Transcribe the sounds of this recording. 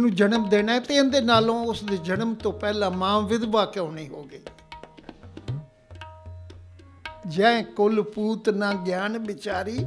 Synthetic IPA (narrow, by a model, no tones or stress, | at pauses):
nũːd͡ʒənəmd̪eːnaːɛt̪ẽːnd̪eːnaːlõːʊsd̪eːd͡ʒənəmt̪õːpɛːlãːmãːʋɪd̪ʋaːkõːɳiːɦoːɡəiː | d͡ʒɛ̃kʊlpuːt̪nãːɡjaːnʋɪt͡ʃaːɾiː